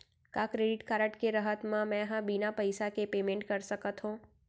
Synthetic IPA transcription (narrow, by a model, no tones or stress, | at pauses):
kakɾeɖɪʈkaːɾəʈkeɾəɦət̪mãmɛ̃ɦãbinapəjsakepeːmẽɳʈkəɾsəkət̪ɦũː